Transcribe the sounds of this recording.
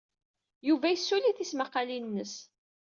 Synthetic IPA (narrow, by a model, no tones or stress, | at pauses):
juvæjəsːuliθismaqːɑlinnːəs